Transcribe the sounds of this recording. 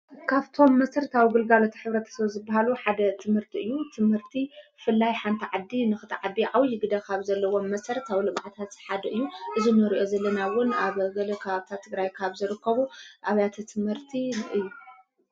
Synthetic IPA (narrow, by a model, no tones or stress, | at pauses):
kʰaβt̪ʰo̞mːɐsɐɾt̪ʰawɡɨlɡalot̪ʰħɨβɾɐt̪ʰɐ̥sɐβzɨbːaɦaluħad̪ɐt̪ʰɨmhɨɾt̪ʰiɨjːut̪ʰɨmhɨɾt̪ʰifɨlːajħant̪ʰiʕad̪ːinɨxɨt̪ʰʕad̪ːiʕawjɪɡɨd̪ɐkʰaβzɐlːɐwo̞mːɐsɐɾɐt̪ʰawlɨmʕat̪ʰat̪ħad̪ɐʔɨjːuʔɨzinɨɾiʔo̞zɐlːɐnawʊnaβɡɐlɐkʰɐβaβt̪ʰat̪ʰːɨɡɾajkʰaβzɨɾɨkʰːɐβuʔaβjat̪ʰɨt̪ʰɨmhɨɾt̪ʰiʔɨjːu